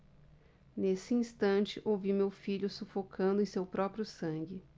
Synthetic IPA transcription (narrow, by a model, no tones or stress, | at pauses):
nesɪĩst̪ɐ̃nt͡ʃɪʔowvimewfiʎʊsufokʰɐ̃nd̪ʊẽj̃sewpɾɔpɾjʊsɐ̃ɡɪ